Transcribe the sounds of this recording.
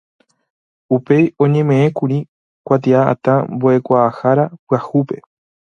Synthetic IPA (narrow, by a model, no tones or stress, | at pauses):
upe̞jõ̞ɲẽ̞mẽ̞ẽkũɾĩ | kʷat̪̬iaa̰t̪ãmboe̞kʷaːhaɾapɨahupe̞